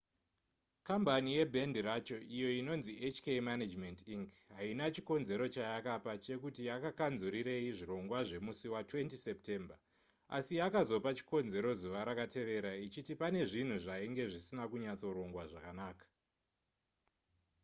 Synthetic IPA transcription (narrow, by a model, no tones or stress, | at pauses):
kambanije̞bʱendiɾat͡ʃo̞ʔijo̞ino̞nziʔet͡ʃkemanad͡ʒmentiŋkɦainat͡ʃiko̞nze̞ɾo̞t͡ʃajakapat͡ʃe̞kutijakakanzuɾiɾe̞iʐiɾo̞ŋɡwaʐe̞musiwatwe̞ntise̞pte̞mba | a̰sijakazo̞pat͡ʃi̥ko̞nze̞ɾo̞zuʋaɾakatʰe̞ʋe̞ɾait͡ʃitipane̞ʐin̤uʐaiŋɡe̞ʐisinakuɲat͡so̞ɾo̞ŋɡwaʐakanaːkḁ